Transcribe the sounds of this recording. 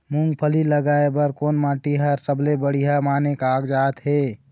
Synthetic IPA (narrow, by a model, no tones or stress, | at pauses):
muŋɡpʰəliləɡaebəɾkonmãʈiɦəɾt̪əblebəɽ̤iɦamaːnekaːɡd͡ʒat̪ɦe